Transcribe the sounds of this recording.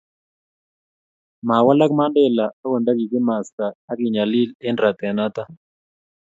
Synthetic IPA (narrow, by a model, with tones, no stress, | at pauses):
ma˨wa˦la˦kma˦ndɛ˦la˨a˦wo˨nda˦ɡi˨kɪ˦ma˨skaː˨˦kɪ˨ɲa˨li˦lɪ˦ndɾa˨t̪ɛ˨na˦t̪a˦